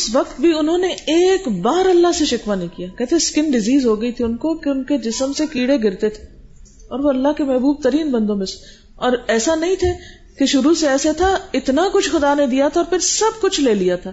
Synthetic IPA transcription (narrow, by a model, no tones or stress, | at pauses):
ʊsʋɐq̚t̪̚bʱiʊnɦõneeːkbaːɾɐlːaɦseʃɪkʋanɐɦĩkijaːkɛɦt̪ʰẽskɪnɖɪziːzɦoɡɐit̪ʰiʊnkokeʊnked͡ʒɪsəmsekiːɽeɡɪɾt̪et̪ʰe̥ | ɔːɾʋoɐlːaɦkemɛɦbuːb̚t̪ɐɾiːnbɐ̃nd̪õmɪs | ɔːɾɛːsanɐɦĩt̪ʰe | keʃʊɾuseɛːset̪ʰaɪt̪nakʊt͡ʃʰxʊd̪aned̪ijat̪ʰaɔːɾpʰɪɾsɐb̚kʊt͡ʃʰleːlijat̪ʰaː